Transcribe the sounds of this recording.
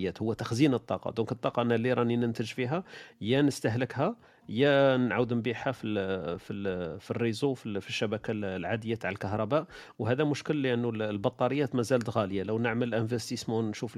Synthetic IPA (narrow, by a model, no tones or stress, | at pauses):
jːæt̪hʊwːæt̪axzinət̪ˤːɑqɑ̰d̪ɔ̃kət̪ˤːɑqɑʔnːælːiɾˤɑninənt̪əʒfiɦæjænəst̪əɦləkɦæ | jænʕawəd̪mbiħhæfififirːizufifiʃːæbækallʕad̪əjːæt̪ʕalkaɦɾˤɑbæʔwhæd̪æmʊʃkəlːiʔənːullbɑt̪ˤːɑɾəjːæt̪mæzælt̪ɣæljaləwnəʕməlʔæ̃nvæst̪ismonʃuf